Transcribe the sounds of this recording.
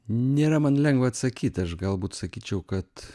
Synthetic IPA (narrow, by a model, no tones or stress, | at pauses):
nʲeːɾɐmɐnlʲɛŋɡʋɐɐt̪sɐkʲiːt̪ʲɐʃɡɐlˠbuːt̪sɐkʲiːt͡ʃʲɛʊkɐt̪